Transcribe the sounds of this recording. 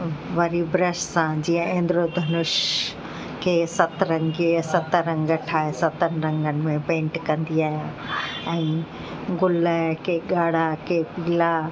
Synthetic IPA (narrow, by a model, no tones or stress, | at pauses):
ʋɐɾibɾəʃsãd͡ʑiːə̃ẽːnd̪ɪɾod̪ʱɐnʊʃ | kʰeːsɐt̪ɾɐ̃ŋɡisɐt̪ɾɐ̃ŋɡɐʈʰaːesɐt̪ən̆ɾɐ̃ŋɡənɪ̆mẽpẽːɳʈkɐ̃nd̪iaːɦjãː | ɛ̃ː | ɡʊləkeːɠaːɽ̤akʰeːpiːla